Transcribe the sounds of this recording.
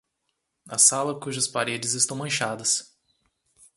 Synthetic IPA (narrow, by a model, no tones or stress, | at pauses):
ɐsalɐkuʒɐspaɾed͡ʒɪzɪst̪ɐ̃w̃mɐ̃ʃad̪ɐs